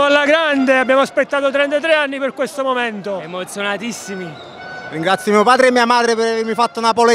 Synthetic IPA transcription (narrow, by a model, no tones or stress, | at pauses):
alːaɡɾand̪eabːjaːmoaspet̪ːaːt̪ot̪ɾɛnt̪at̪ɾeanːiperkwest̪omoment̪oemot̪sjonat̪isːimi | riŋɡɾat̪sːjomiːopaːd̪ɾeːmːiːamaːd̪ɾepeɾaveɾmifat̪ːonapole